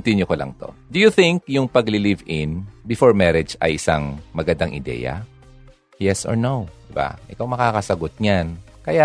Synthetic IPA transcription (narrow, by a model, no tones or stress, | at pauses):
nt̪ɪnjokolʔɐ̰ŋt̪o̞̰d̪ʊjuθɪ̃ŋk̚jʊŋpɐɡlɪlivɪnbɪfoɹmɛɾɛd͡ʒɐ̰jʔɪsaŋmɐɡɐnd̪aŋʔɪ̰d̪ɛ̰ːjɐ̰ | jɛsʔɔ̰ɹnowd̪̥ɪba̰ʔɪkawmɐkaːkɐsɐɡot̪̚ɲankɐja